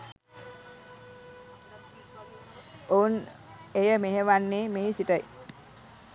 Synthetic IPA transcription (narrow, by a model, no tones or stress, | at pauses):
ounejəmeɦeʋanːeːmeɦisiʈəj